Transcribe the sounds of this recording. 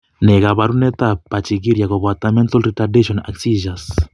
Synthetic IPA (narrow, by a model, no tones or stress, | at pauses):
nɛɣaβaɾunɛt̪apːat͡ʃikiɾjakɔpat̪amɛnt̪ɔlrit̪adeʃɔna̰ksiʒas